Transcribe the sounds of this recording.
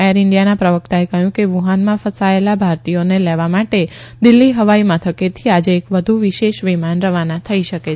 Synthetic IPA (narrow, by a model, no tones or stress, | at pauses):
eəɾɪɳɖjanapɾəʋək̚t̪aekəɦjũkeʋuɦanmãfəsaelabʱaɾt̪ijoneleʋamaʈe | d̪ɪlːiɦəʋaimãt̪ʰəket̪ʰiad͡ʒeːkʋəd̪ʱuʋiʃeʃʋimanɾəʋanãt̪ʰəiʃəke